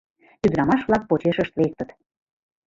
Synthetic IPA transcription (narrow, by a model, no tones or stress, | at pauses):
t̪yd̪ɾɑmɑʃβlɑk̚pot͡ɕeʃəʃt̪βek̚t̪ə̆t̪